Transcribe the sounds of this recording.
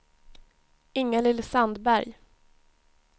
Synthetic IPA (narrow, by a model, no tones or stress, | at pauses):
ɪŋːəlɪlːsand̪bæɾj